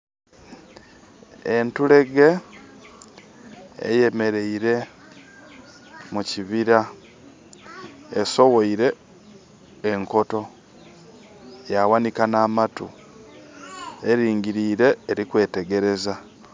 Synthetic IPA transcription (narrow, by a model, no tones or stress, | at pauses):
entule̞ɡe̞ | ḛje̞me̞ɾe̞iɾe̞ | muciβiɾa | eso̞woiɾe̞ | ŋko̞to̞ | jawanikanaːmatu | eɾiːŋɟiɾiːɾe̞ːɾikwe̞ːte̞ɡe̞ɾe̞za